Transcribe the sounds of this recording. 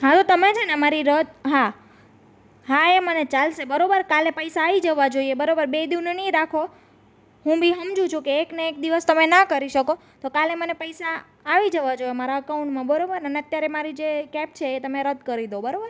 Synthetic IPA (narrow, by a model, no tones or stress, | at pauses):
ɦat̪ot̪əmet͡ʃʰenemaɾiɾəd̪̚ʱɦa | ɦaemənet͡ʃalʃebəɾobəɾkalepəjsaːʋid͡ʒəʋad͡ʒoiebəɾobəɾbed̪iʋneniɾakʰo | ɦũbʱiɦəmd͡ʒũt͡ʃʰũkeːkneːk̚d̪iʋəst̪əmenakəɾiʃəko | t̪okalemənepəjsaː | ʋid͡ʒəʋad͡ʒoemaɾaəkauɳʈmãbəɾobəɾəneət̪jaɾemaɾid͡ʒekɛp̚t͡ʃʰeːt̪əmeɾəd̪ʱkəɾid̪obəɾobəɾ